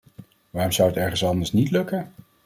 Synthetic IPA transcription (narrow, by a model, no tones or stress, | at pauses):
ʋaːrɔmsʌwətɛɹχənsɑndəɹsnitlɵkə